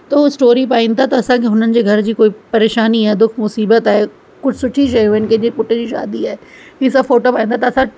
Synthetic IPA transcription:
t̪ɐuɪsʈoːɾipaːɪ̃nt̪ʰat̪ɐɐsãkeɦʊn̤ənɪ̆d͡ʑeːɡʱɐɾd͡ʑiːkoːipɐɾeːʃaːniaːɦed̪ʊkʰmʊsiːbət̪aːɦe | kʊd͡ʑʱsʊʈʰiʃ̬ɐuənkẽd͡ʑipʊʈə̃d͡ʑiːʃa̰ːd̪iaːe | isɐbfoːʈopaːĩnt̪ʰat̪ɐsã

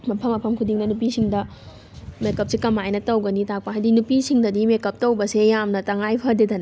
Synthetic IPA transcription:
mɐpʰɐlɐpʰɐmkʰudiŋnɐnupisiŋdɐ | mekɐp̚sikɐmajnɐtɐwɡɐnitʰak̚paɦajdinupisiŋdɐdimekɐp̚tɐwbɐsejamnɐtɐŋajpʰɐɾdedɐnɐ

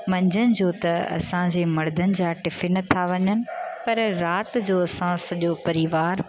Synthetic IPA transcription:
mɐ̃ɲd͡ʑənɪ̆d͡ʑoːt̪ɐɐ̰sãd͡ʑeːmɐɽd̪ʱənɪ̆d͡ʑaːʈɪfɪnɐt̪ʰaʋɐɲənɪ̆pɐɾɾaːt̪̆d͡ʑoːɐsãsɐʄopɐɾiʋaːɾ

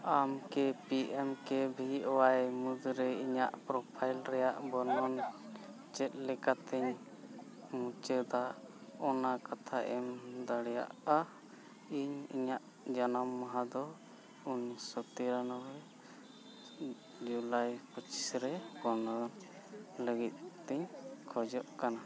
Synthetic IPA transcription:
amkɛpiʔɛmkɛbʱiɔwajmud̪ɾɛiɲaʔpɾɔpʰajlɾɛjaʔbɔnɔn | t͡ʃɛt̪̚lɛkat̪ɛɲ | mut͡ʃəd̪aɔnakat̪ʰaʔɛmd̪aɽɛja̰ʔa | iɲḭɲaʔ | d͡ʒanamːaɦad̪ɔ | unsɔt̪iɾanɔwɛ | d͡ʒulajpət͡ʃi̥sɾɛbɔnɔn | ləɡit̪̚ˀt̪ɛɲkʰɔd͡ʒɔʔkana

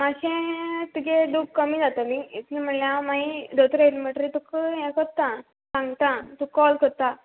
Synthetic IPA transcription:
maɕẽt̪uked̪ukkəmiːd͡zat̪amiit̪lim̤əɳljãmaɦid̪ot̪ɾəiliməʈɾit̪ukɦɛ̃kəɾt̪ã | sãŋɡt̪ãt̪ukːɔlkəɾt̪a

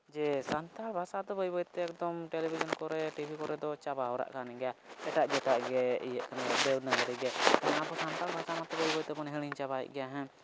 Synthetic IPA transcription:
d͡ʒɛsant̪albʱasad̪ɔbəjbɔjt̪ɛːk̚d̪ɔmʈɛlɛbʱid͡ʒɔnkɔɾɛʈibʱikɔɾɛd̪ɔt͡ʃabaɔɾa̰ʔkanɛɡɛjaɛʈaʔd͡ʒɛt̪aʔɡɛḭjɛʔkanaɡɛd̪ɛlnaŋɡaɾiɡɛkanaabɔsant̪albʱasamat̪ɛbəjbɔt̪ɛbɔnɦɛɽ̃iɲt͡ʃabaɛ̰ʔ̚ˀɡɛjaɦɛ̃

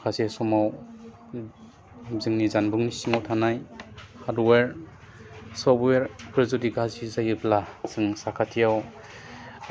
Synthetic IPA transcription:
kʰasesɔmaw | zɯŋnizanbuŋnisiŋawtʰanajhadweɾ | sɔpweɾpʰɾɯzudiɡazizajɯplasɯŋsakʰatʰijaw

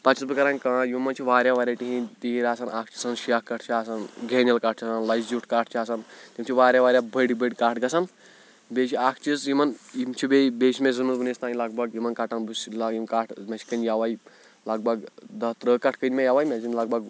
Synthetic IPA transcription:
pɐt͡ʃʰisbɨkɐɾaːnʲkɐɽãjimɐnt͡ʃʰiʋaːɾʲjaʋaːɾʲaʈiɦĩt̪iiɾʲaːsaːnʔaːkʰt͡ʃʰi̥sanʃiakːɐʈʰt͡ʃʰiaːsanɡʱeːnʲjɐlkaːʈ̚ʰt͡ʃʰasanlɐjsd͡ʒuʈʰkaːʈʰt͡ʃʰiaːsant̪ʲimʲt͡ʃʰiʋaːɾʲjaʋaːɾʲjabəɽibəɽʲkaːʈʰɡɐsaːn | bʲet͡ʃʰiaːkʰt͡ʃʰisjimɐnjimt͡ʃʰibebeːʃimezɨmuzbɨnest̪ãːnilɐɡbaɡjimɐnkaʈanbuslajimkaːʈʰmʲet͡ʃʰi̥kənjaʋai | laɡ̚baɡd̪ɐɦt̪ɾəkɐʈʰkənʲmʲejaʋaːjmʲezinlɐɡ̚baɡ

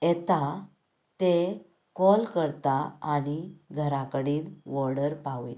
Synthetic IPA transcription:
et̪a | t̪e | kɔlkəɾt̪aːñiɡʱəɾakəɽiːnʋɔɾɽəɾpaʋi

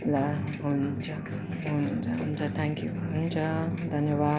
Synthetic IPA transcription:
laɦunt͡sʰʌ | ɦununt͡sʰʌɦunt͡sʰʌt̪ʰãŋkjuɦunt͡sʰʌd̪ʱʌnjʌba

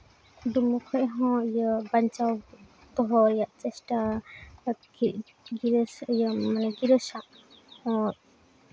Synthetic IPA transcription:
d̪umukʰɔʔɦɔ̃ijəbaɲt͡ʃaw | t̪ɔɦɔɛjaʔt͡ʃɛsʈa | ɡiɾsjəmanɛɡiɾəsaʔ | ɔ

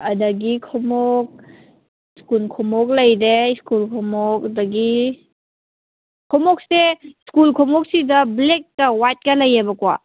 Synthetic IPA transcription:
ɐdɐɡikʰɔmɔk̚ | skulkʰɔmɔk̬̚lɐjdeskulkʰɔmɔk̚ɐdɐɡi | kʰɔmɔk̚seskulkʰɔmɔk̚sidɐblek̚ːɐwat̚kɐlɐjːebɐkwa̰

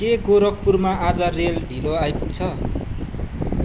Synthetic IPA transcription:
keɡoɾʌk̚purmaad͡zʌrelɖʱiloajpuk̚t͡sʰʌ

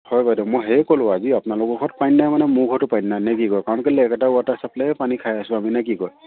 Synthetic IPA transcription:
hɔjbajdɛmɔjɦejkɔlʊ̃aziapnalʊkɔkʰɔtpajnːajmanɛmukʰɔtʊpajnːajnek̬ikɔjkaɹɔnkalɛːkɛtauatasaplɛpanikʰajasʊ̃aminak̬ikɔj

